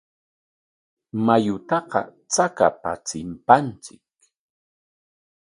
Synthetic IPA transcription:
majʊt̪ɑqɑ̰ | t͡saka̰pa̰t͡sɪmpant͡sɪk̚

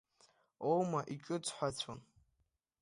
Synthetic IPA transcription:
owmaʔit͡ʃʼʊt͡sʰʼħʷat͡sʷʰon

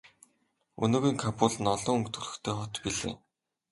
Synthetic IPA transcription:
ɵ̰nɵːɣiːŋkʰapʊːɮɘ̆nɔɮɔːɵŋkt̪ʰɵɮɵ̆xt̪ʰeːχɔt̪piɮḛː

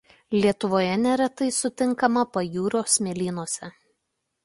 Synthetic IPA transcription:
lʲiɛt̪ʊʋoːjɛnʲɛɾɐt̪ɐɪsʊt̪ʲɪŋkɐmɐpɐjuːɾoːsmʲelʲiːnuɔsʲɛ

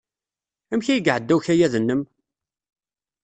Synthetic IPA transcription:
æmçæjəɡʕəd̪ːæwçæjæðənːəm

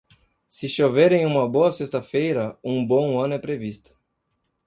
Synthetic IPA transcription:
sɪʃovɛɾẽj̃ũmɐboɐsest̪ɐfejɾɐũbõɐ̃nʊɛpɾevist̪ʊ̥

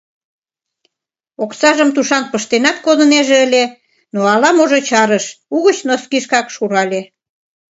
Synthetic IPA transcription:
oksɑʒəmt̪uʃɑn̚pəʃt̪enɑt̪̚kod̪ə̆neʒeəlʲe | noɑlɑmoʒot͡ɕɑɾəʃuɣət͡ɕnoskiʃkɑkʃuɾɑlʲe

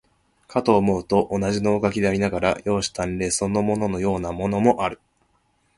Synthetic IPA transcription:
kʰat̪o̞ːmo̞ɯ̟t̪o̞ʔonaʑino̞ːɡakʲid̪e̞aɾʲinaɡaɾa̰jo̞ːɕi̥t̪ãnɾe̞ːso̞nːo̞mo̞no̞no̞jo̞ːnamo̞no̞mo̞ʔaɾɯ̟

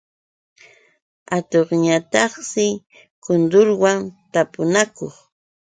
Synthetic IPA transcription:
at̪oχɲat̪ɑχsɪ | kʊnd̪ʊɾwant̪apʊnakoχ

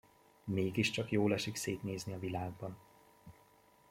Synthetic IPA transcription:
meːɡiʃt͡ʃɒkjoːlɛʃikseːt̪neːzniɒvilaːɡ̚bɒn

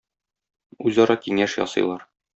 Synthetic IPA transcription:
ʉzɒɾɑkiŋæʃjɒ̰sɤ̆jlˠɑɾ

